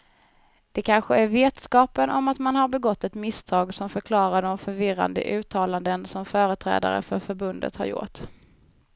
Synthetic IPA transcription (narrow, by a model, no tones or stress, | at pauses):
d̪̥ɛkʰanɧəæɾveːt̪skɑːpənʔɔmat̪manhaɾbɛɡɔt̪ːɛt̪mɪst̪ʰɑːɡsɔmfœɾkʰlɑːɾaɖɔmfœɾvɪɾa̰nd̪ə̰ʔʉ̟ːt̪ʰɑːland̪ənsɔmfœːɾət̪ʰɾɛ̰ːd̪a̰ɾə̰fœɾfœɾbɵnd̪ə̰t̪ha̰ɾjʊ̰ʈ